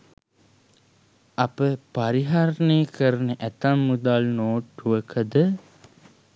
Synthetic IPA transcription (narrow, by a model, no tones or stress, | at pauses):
ɐpəpaɾiɦaɾneːkəɾənəʔæt̪amːud̪aːlnoːʈːuʋəkʰəd̪ə